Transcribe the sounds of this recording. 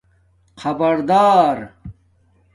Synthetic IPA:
xɐbɐɾd̪aːɾ

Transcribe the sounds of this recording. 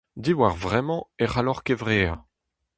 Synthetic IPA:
d̪iwaʁvʁɛmɑ̃eʁalɔʁkevʁeːɛ

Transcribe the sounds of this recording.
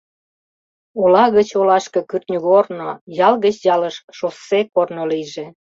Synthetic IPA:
olɑɣət͡ɕolɑʃkɤkyrt̪nʲyɣornojɑlɣət͡ɕjɑləʃʃosekornoliʒe

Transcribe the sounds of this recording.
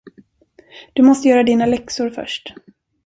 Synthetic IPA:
d̪̥ɵmɔst̪əjœːɾad̪iːnalɛksʊɾfœ̰ʂʈ

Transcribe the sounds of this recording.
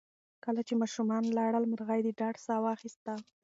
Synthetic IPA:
kəlat͡ʃemɑʃumɑnlɑɽəlməɾɣajd̪eɖɑɖsɑwɑxist̪a

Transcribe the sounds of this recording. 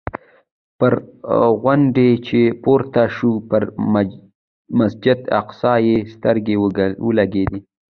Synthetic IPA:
pəɾɣwaɳɖet͡ʃepoɾt̪aʃupəɾ | masd͡ʒɪd̪a̰qsɑjest̪əɾɡewəlaɡed̪i

